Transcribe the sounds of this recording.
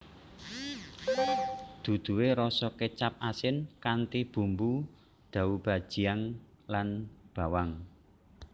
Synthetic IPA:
d̪̥ṳd̪̥ṳweɾɔsɔket͡ʃap̚asɪnkant̪ib̥ṳmbu | d̪̥a̤ub̥a̤d̥ʒ̥i̤aŋ | lanb̥a̤waŋ

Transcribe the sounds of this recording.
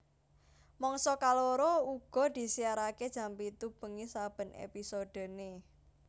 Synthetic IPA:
mɔŋsɔkaloɾouɡ̥ɔ̤d̪̥i̤siaɾaked̥ʒ̥a̤mpit̪ub̥ə̤ŋisab̥ə̤nḛpisod̪̥ə̤ne

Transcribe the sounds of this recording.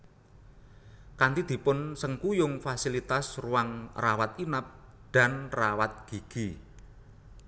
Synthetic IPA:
kant̪id̪̥i̤pʊnsəŋkujʊŋfasilit̪asruwaŋrawat̪inap̚ɖ̪̥a̤nrawat̪̚ɡ̥i̤ɡ̥i

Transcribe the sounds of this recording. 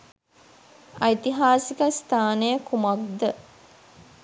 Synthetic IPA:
ɐit̪iɦaːsikəst̪ʰaːnejəkumɐk̚d̪ə

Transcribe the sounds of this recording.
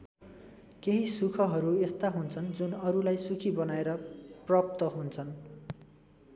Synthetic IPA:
keɦisukʰʌɦʌɾuest̪aɦunt͡sʰʌnd͡zunʌɾulajsukʰibʌnaeɾʌprʌp̚t̪ʌɦunt͡sʰʌn

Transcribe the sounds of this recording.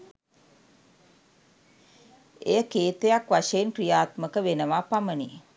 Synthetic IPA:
ejəkeːt̪ejakʋaʃeenkrijaːt̪məkəʋenəʋapaməni

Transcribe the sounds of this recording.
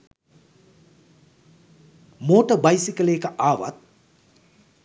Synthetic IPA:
moːʈəbɐjsikəleːkəʔaːʋɐ̰t̪̚

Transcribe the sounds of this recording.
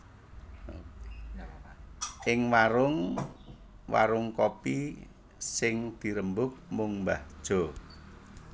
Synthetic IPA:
ʔɪŋwaɾʊŋ | wa̰ɾʊŋkopi | sɪŋd̪̥i̤ɾəmbʊk̚mʊŋmbad̥ʒ̥o̤

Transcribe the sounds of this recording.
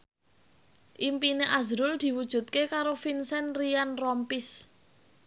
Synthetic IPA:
ʔimpineʔazɾʊld̪̥i̤wud̥ʒ̥ṳt̪̚kekaɾofinsɛnrijanrɔmpɪs

